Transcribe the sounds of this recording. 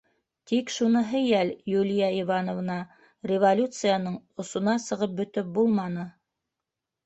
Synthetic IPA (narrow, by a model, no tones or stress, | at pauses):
t̪ikʃunɤ̆ɦɤjæljulʲɪjɑivɑnov̆nɑ | rʲɪvolʲut̪sɨjanɤɴŏsŏnɑsɤ̆ʁɤp̚bɵ̆t̪ɵp̚bulˠmɑnɤ